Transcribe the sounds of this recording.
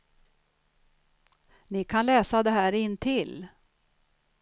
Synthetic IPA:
nɪkʰanlɛːsad̪ɛɦæːɾɪnt̪ʰɪl

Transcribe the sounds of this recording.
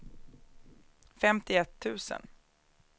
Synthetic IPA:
fɛmt̪ɪɛt̪ʰːʉ̟ːsə̰n

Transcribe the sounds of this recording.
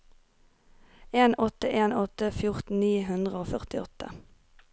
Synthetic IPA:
eːnɔt̪əʔeːnɔt̪əfjʊʁt̪n̩niːɦʉnd̪ʁəoːfœʁt̪ɪɔt̪ə̰

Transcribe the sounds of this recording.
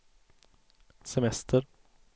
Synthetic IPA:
sɛmɛst̪ʰəɾ

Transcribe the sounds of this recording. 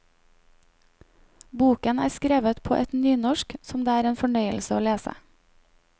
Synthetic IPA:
buːkənæːskɾeːʋət̪pʰo̰ːʔɛt̪nyːnɔʃksɔmd̪eːæːɾeːnfɔɳœʏəlsəoːleːsə̰

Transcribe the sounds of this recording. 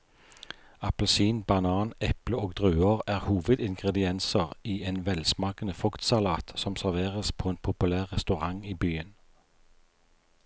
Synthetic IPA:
ɑpəlsiːnbɑnɑːnɛpləoːɡd̪ʁʉːəʁæːʁhuːʋəd̪ɪŋɡʁɛd̪ɪɛnsəʁiːeːnʋɛlsmɑːkənəfɔkt̪sɑlɑːt̪sɔmsæʁʋeːʁəspʰoːeːnpʰʊpʉlæːʁʁɛst̪ʉʁɑŋiːbyːən

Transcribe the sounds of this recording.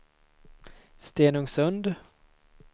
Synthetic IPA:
st̪eːnɵŋsɵnd̪

